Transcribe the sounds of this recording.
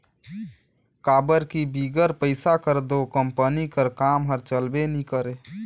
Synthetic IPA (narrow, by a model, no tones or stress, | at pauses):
kabəɾkibiɡəɾpəɪsakəɾd̪okəmpənikəɾkamɦəɾt͡ʃəlbenikəɾe